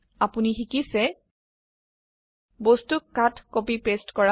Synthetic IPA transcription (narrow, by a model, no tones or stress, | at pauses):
apunixikisɛ | bostukːatkopipestkɔɹa